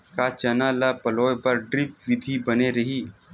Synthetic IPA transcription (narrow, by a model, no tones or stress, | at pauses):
kat͡ʃɐnaːlapɐlɔːjpɐɾɖɾɪp̚ʋɪd̪ʱibɐneɾɐɦiː